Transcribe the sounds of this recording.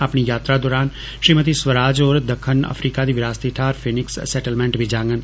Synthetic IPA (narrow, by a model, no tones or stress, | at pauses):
apɳiːjaːt̪ɾaːd̪oːɾaːn | ʃɾiːmət̪̬iːsʋəɾaːd͡ʒoːɾd̪əkʰːənə̰fʰɾiːkaːd̪iːʋɪɾaːst̪iʈʰaːɾpʰɪnɪksːɛːʈəlmɛ̃ːɳʈbiːd͡ʒãːŋɡən